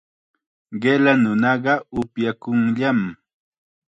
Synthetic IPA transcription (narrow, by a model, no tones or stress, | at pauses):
ɢelanʊnɑɢɑʊpjakʊŋʎam